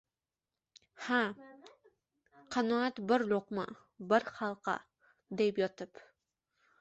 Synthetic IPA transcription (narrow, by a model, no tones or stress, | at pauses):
ha | qʰɑnɒat̪bɪɾlˠoqma̰ | bɪɾχɑlˠqɑ̰ | d̪epjɒt̪ɪp